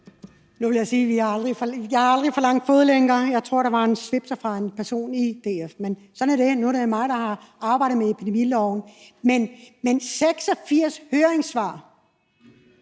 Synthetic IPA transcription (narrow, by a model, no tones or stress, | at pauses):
nuʋe̝ljɑ̈ɪsiːʋihɑ̈ɑld̥ʁifɒjɑhɑ̈ɑld̥ʁifɒlɑ̈ŋ̰d̥fɔːð̞̩ˠleŋɐːjɑ̈ɪt͡sʰʁo̝ɐ̰ɾ̥ɑ̈ʋɑ̈e̝nsʋe̝b̥sɑfʁɑ̈e̝npʰæɐso̝̰ːnid̥e̝ːefmensɒ̽næɐde̝nudemɑ̈ɪd̥ɑ̈hɑ̈ɑ̈ːb̥ɑ̈ɪ̰dð̩ˠmeepʰid̥e̝milɒʊ̰n̩menmenseɡ̥sɒ̽fiɐ̰shøːɐeŋsʋɑ̰̈ː